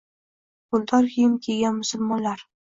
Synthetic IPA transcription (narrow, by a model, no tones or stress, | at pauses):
bʊlˠd̪ʰɒɾhimkʲʰeɡʲanmʊsʊlˠmɒnlaɾ